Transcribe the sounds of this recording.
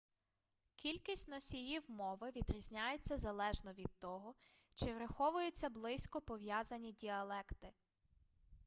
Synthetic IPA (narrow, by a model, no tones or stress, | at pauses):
kʲilʲkʲisʲtʲnɔsʲijiwmɔʋɪʋʲid̪ɾʲizʲnʲajet͡sʲːɐzɐlˠɛʒnɔʋʲid̪̚t̪ɔɦɔ | t͡ʃɪʋɾɐxɔʋʊjʊt͡sʲːɐblˠɪsʲkɔpɔʋjazɐnʲidʲiɐlˠɛkt̪ɪ